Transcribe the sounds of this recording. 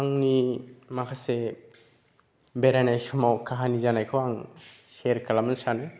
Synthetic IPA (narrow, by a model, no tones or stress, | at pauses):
aŋnimakʰase | bɛɾanajsumawkʰaɦanizanajkʰɔwaŋseɾkʰalamansanɯ